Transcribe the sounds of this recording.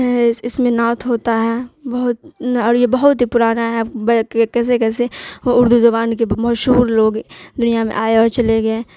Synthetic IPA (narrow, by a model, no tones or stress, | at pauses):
ɦɛɪsmẽnɔːt̪ʰɦoːt̪aɦɛːbɐɦʊt̪̚ɔːɾjebɐɦʊt̪ɦipʊɾaːnaɦɛbkɛːs̬ekɛːseʊɾd̪uzɐbaːnkemɐʃɦuːɾloːɡd̪ʊnijamḛ̃ʔaːeɔːɾt͡ʃɐleɡɐeː